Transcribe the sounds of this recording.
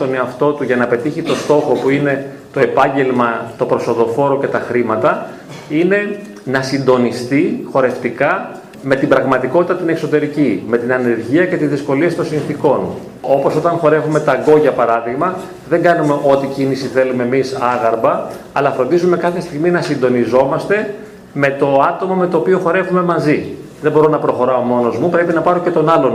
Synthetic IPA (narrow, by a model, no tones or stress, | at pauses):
o̞ne̞ɐft̪o̞t̪uʝɐnɐpe̞t̪içit̪o̞st̪o̞xo̞puine̞ | t̪o̞e̞pɐɲɟe̞lmɐt̪o̞pɾo̞so̞ðo̞fo̞ɾo̞ce̞t̪ɐxɾimɐt̪ɐ | ine̞ | nɐsind̪o̞nist̪ixo̞ɾe̞ft̪ikɐ | me̞t̪ibɾɐɣmɐt̪iko̞t̪it̪ɐt̪inekso̞t̪e̞ɾicime̞t̪inɐne̞ɾʝiɐce̞t̪izðisko̞liesit̪o̞nsĩnθiko̞n | o̞po̞so̞t̪ɐ̃nxo̞ɾe̞vume̞t̪ɐɡo̞ʝɐpɐɾɐðiɣmɐ | ðe̞ŋɡɐnume̞ʔo̞t̪icinisiθe̞lume̞misɐɣɐɾbɐːlɐfɾo̞nd̪izume̞kɐθe̞st̪iɣminɐsind̪o̞nizo̞mɐst̪e̞ | me̞t̪o̞ɐt̪o̞mɐme̞t̪o̞ːpio̞xo̞ɾe̞vume̞mɐziðebo̞ɾo̞nɐpɾo̞xo̞ɾɐo̞mo̞no̞zmupɾe̞pinɐpɐɾo̞ce̞t̪o̞nɐlo̞n